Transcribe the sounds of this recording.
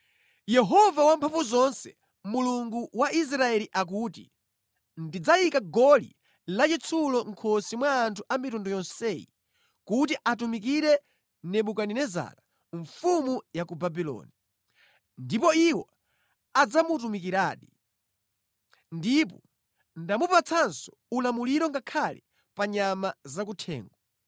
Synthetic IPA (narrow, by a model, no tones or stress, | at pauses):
jɛɦɔvawampʰaɱvuzɔnsɛ | muluŋɡuwaʔis̬ɾaɛliʔak̬uːtḭ | ndid͡zajikaɡɔlḭ | lat͡ʃit͡sʰulɔŋ̩kʰɔsimwaːntʰuʔamitundɔjɔnsɛːjḭ | kut̬iʔatumik̬iɾɛ | nɛɓukaninɛza̰ɾa | ɱfumujakubabilɔ̰ːni | ndipɔiwɔ | ad͡zamut̬umikiɾaːɗi | ndip̬ɔ̰ | ndamupat͡sʰansɔ̥ | ulamuliɾɔŋɡakʰalɛ̰ | paɲamazakutʰɛ̰ːŋɡɔ